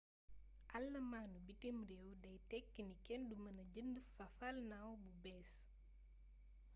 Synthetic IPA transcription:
ʔɐlːɐmaːnubitimrɛwdɐjtɛkːinikɛndumɐnɐɟəndəfɐfɐlnɐwbubɛːs

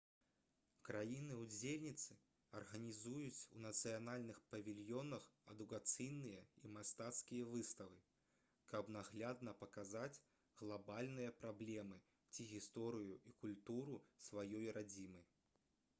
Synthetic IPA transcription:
kɾajinɨud͡zʲelʲnʲit̪sɨ | ɐrɣɐnʲizujut͡sʲunɐt̪sɨjanalʲnɨxpɐvʲilʲjɔnɐxɛd̪ukat̪sɨjnɨjɐimast̪at̪skʲijɐvɨst̪ɐvɨ | kɐbnaɣlʲad̪nɐpɐkazat͡sʲ | ɣlˠabalʲnɨjɐpɾablʲɛmɨ | t͡sʲiɣʲist̪ɔɾɨjuʔikulʲt̪uɾusvajɔjɾad͡zʲimɐj

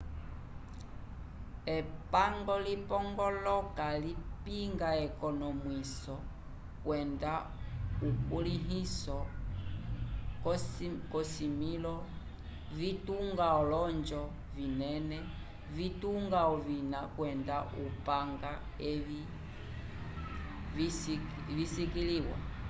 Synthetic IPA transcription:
ɛpaŋɡɔlipɔŋɡɔlɔkalipiŋɡaɛkɔnɔmwisɔ | kwɛnda | ukuliɦisɔ | kkɔsimilɔ | vituŋɡaɔlɔnd͡ʒɔ | vinɛnɛ | vituŋɡaɔvinakwɛndaʔupaŋɡa | ɛvi | visikiliwa̰

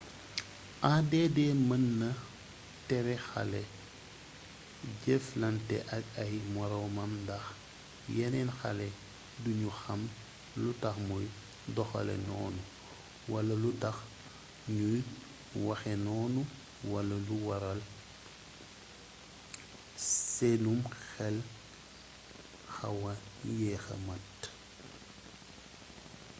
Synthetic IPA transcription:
ʔaːdɛːdɛmɐnːɐ | tɛɾɛxa̰lɛ | ɟɛflɐntɛ̰ʔɐkɐjmɔɾɐwmɐmdɐx | jɛnɛnxa̰lɛ | duɲuxɐm | lutɐxmuj | dɔxɐ̰lɛ̰nɔ̰ːnu | wɐlɐlutɐx | ɲuj | wɐxɛnɔːnu | wɐlɐluwɐɾɐl | selumxɛl | xɐ̰wɐjɛːxɐ̰mɐt

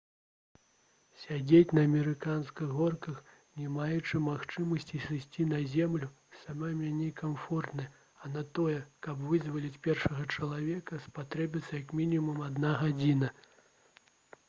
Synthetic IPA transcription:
sʲad͡zʲet͡sʲnɐːmʲɛɾɨkanskɨɣɣɔrkɐx | nʲɛmajɛt͡ʂɨmaxt͡ʂɨmɐsʲt͡sʲisɨsʲt͡sʲinɐzʲɛmlʲu | samamʲanʲɛkamfɔrt̪nɐj | ɐnɐt̪ɔjɛkɐbvɨzvɐlʲit͡sʲpʲɛrʂɐɣɐt͡ʂɐlˠavʲɛkɐspat̪ɾɛbʲit̪sɐjɐkmʲinʲimumad̪naɣad͡zʲinɐ

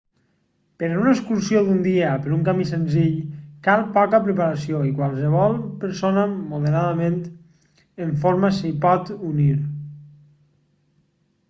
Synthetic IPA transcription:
pəɾunəkskuɾsioðund̪iəpəɾuŋkamisənziʎkalˠpɔkapɾəpaɾasioikwalˠs̬əβ̞ɔlˠpəɾsonamoðəɾaðamẽnt̪ | əɱfoɾmasipɔt̪uniɾ

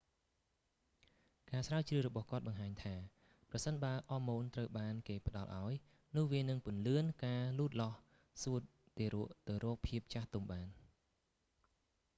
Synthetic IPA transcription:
kaːsraət͡ɕrɨərɔɓɑhkŏət̪̚ɓɑŋɦaːɲt̪ʰaː | prɑsənɓaəlʔɑːmoːnt̪rəwɓaːnkeːpə̆ɗɑlʔa̰ɔj | nʊ̆əhʋiənɨŋpʊ̆ənlɨənkaːluːt̪̚lɑh | suət̪̚ | t̪eːɾuəʔt̪ɨwrɔːk̚pʰiəp̚t͡ɕaht̪umɓaːn

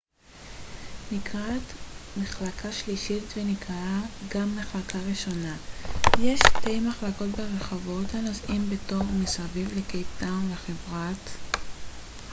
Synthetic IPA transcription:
nikʁatmeχlakʰaʃliʃitvenikʁaaɡamːeχlakaʁiʃo̞najeʃte̞jmaχlako̞tbeʁeχavo̞thanozʔimbeto̞ʁmisavivlekejtanleχevʁat

